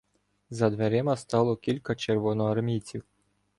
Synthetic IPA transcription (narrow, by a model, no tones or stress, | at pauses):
zɐd̪ʋeɾʲɪmɐst̪ɑlˠɔkʲilʲkɐt͡ʃeɾʋɔnɔɐrmʲit͡sʲiw